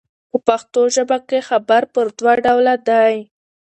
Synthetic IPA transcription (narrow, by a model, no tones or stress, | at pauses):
pəpaxt̪oʒəbakexabaɾpəɾd̪waɖawlad̪aj